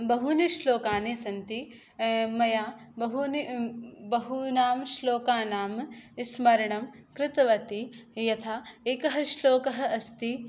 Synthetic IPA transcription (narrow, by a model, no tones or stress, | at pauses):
bɐɦuniʃloːkaːneːsɐnt̪i | mɐjaː | bɐɦunibɐɦunaːmʃloːkaːnaːmismɐɾɐɳɐmkɾɪt̪ɐʋɐt̪ijɐt̪ʰaːekɐɦɐʃloːkɐɦɐ̆ɐst̪i